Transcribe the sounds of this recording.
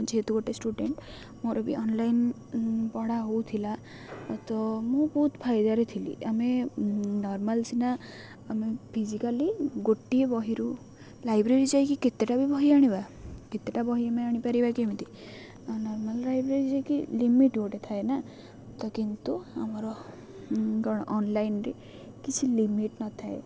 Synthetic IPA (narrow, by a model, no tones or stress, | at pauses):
d͡ʒeet̪uɡoʈesʈuɖeɳʈ | moɾɔbiʔɔnlajn | pɔɽaɦowt̪ʰila | t̪ɔmũbɔɦut̪pʰajd̪aɾet̪ʰilḭʔamenɔɾmalt͡ʃʰinaː | mepʰid͡ʒikaliɡoʈːiebɔɦiɾu | lajbɾeɾid͡ʒajkiket̪ːeʈabʱibɔɦiaɽ̃iba | ket̪ːeʈabɔɦiameaɽ̃ipaɾibakiemit̪i | nɔɾmalɾajbɾeɾid͡ʒakilimiʈɡoʈet̪ʰaena | t̪ɔkint̪uamɔɾɔ | ɡɔɽ̃ɔʔɔnlajnɾe | kit͡ʃʰilimiʈnɔt̪ʰae